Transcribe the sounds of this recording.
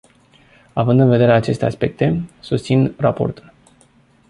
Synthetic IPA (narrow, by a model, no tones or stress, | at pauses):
avɨnd̪ɨnve̞d̪e̞ɾeat͡ʃe̞st̪e̞aspe̞k̚t̪e̞sust̪sinrapo̞̰rt̪ul